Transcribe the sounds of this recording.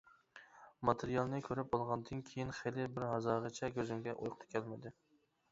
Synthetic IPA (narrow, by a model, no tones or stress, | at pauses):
mɑt̪ʰeɾijɑlˠnɪkʲʰøɾɪpɑlˠʁɑnd̪ɨnkʲʰejinχelɪbɪɾhɑzɑʁət͡ʃʰɛkʲʰøzɪmɡʲɛʔojqʰt̪ʰɨ̥kʲʰælmɪd̪ɪ